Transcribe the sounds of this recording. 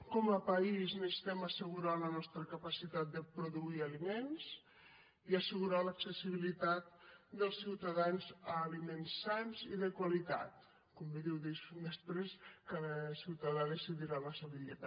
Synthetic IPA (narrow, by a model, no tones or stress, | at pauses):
kɔməpəiznəst̪ɛməsəɣuɾalənɔst̪ɾəkəpasit̪at̪̚d̪əpɾuðuiɐlimens | iəsəɣuɾaləksəsiβ̞ilit̪at̪̚d̪əlˠsːiwt̪aðanzəːlimensːanziðəkwalit̪a̰t̪̚ | kumbiðiwðeʃud̪əspɾeskaəsiwt̪aðaðəsiðiɾaləsəβulit̪a